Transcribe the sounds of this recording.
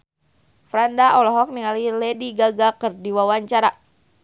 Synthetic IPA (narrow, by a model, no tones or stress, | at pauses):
fɾandaʔɔlɔɦɔk̚niŋalilɛdiɡaɡakərdiwawaɲt͡ʃaɾa